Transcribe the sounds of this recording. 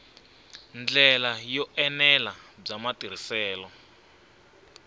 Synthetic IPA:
nd͡ɮɛlajɔʔɛnɛlab͡ʐamatiɾ̤isɛːlɔ

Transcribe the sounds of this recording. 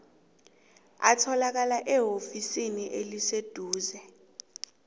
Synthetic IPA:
a̰tʰɔlak̬alaʔɛɦofisiniʔelised̥ʱuːzɛ

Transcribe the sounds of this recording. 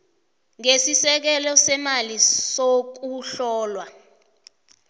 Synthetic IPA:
ŋesisɛk̬ɛlɔsɛmalisok̬uɬɔːlwa

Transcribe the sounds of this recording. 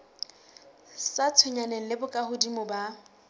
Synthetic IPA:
sat͡sʰʊɲanɛŋ̩lɪbʊkʼahʊdimʊba

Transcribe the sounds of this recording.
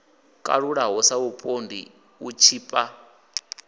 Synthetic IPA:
kʼa̰ɺuɺaɦɔsaupʼondḭ | ut͡ʃʰiːpʼa

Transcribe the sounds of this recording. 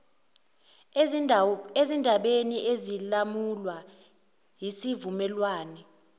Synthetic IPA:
ezindʱaɓeniʔezilamulwa | jisivumɛlwaːnɛ

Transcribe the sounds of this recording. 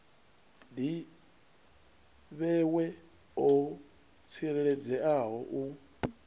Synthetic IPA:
di | βɛwɛ | ɔ | t͡sʰiɾɛɺɛd͡zɛʔaɦɔʔu

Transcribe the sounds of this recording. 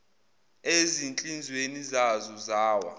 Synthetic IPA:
ezint͡ɬʼind͡zʱwenizazɔzaːwa̰

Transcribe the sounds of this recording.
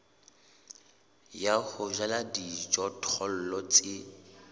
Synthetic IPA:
jahʊʒaladid͡ʒɔtʰɔl̩lɔt͡sʼɪ

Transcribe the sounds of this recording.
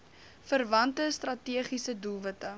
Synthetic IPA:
fərvɐntəstrɐtiəχisədulˠvətə

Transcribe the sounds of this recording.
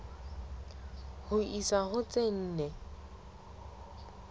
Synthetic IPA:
hʊʔisahʊt͡sʼen̩ːnɛ

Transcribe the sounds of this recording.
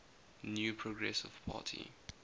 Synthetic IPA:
njuːpʰɹoɡɹɛsɪv̥pʰa̰ːtʰḭ

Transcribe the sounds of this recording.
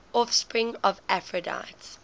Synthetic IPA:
ʔɔfspɹɪ̃ŋɔvæfɹəda̰ɪts

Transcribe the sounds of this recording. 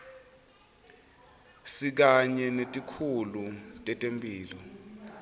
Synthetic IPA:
sik̬aɲɛnetʼikʰulutʼɛtʼempʼiːlɔ

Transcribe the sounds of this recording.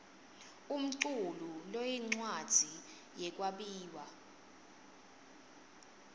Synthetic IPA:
um̩ǀululojiŋ͡ǀwad̥ʱi | jɛk̬ʼwaɓiːwa

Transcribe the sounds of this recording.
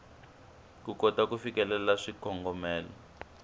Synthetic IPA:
kukɔtakufikɛlɛlaʂikʰɔŋɡɔmɛːlɔ̰

